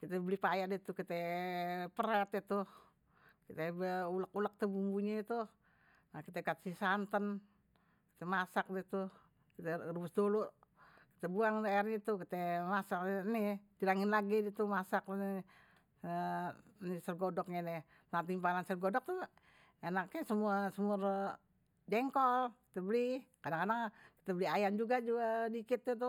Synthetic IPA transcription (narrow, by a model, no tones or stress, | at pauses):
kit̪ɛblipajaʔdit̪ukit̪ɛ | pərat̪it̪uh | kit̪ɛbuləkulak̚t̪əbumbuɲait̪u | nakit̪ɛkat̪sisant̪ən | ki̥t̪ɛmasak̚dit̪u | kit̪ɛrubəsdoluʔ | ki̥t̪ɛbuaŋdaarɲit̪ukit̪ɛmasak̚nit̪iɾaŋɪnlaɡidit̪umasak̚n | nisərɡodɔk̚ɲadɛ | nat̪̬impanansərɡɔdɔk̚t̪u | enakɲɛsəmuasəmuar | dɛŋkɔlki̥t̪ɛbəlikadaŋkadaŋki̥t̪ɛbəliajand͡ʒuɡad͡ʒuɡadikɪt̪̚ːɛt̪u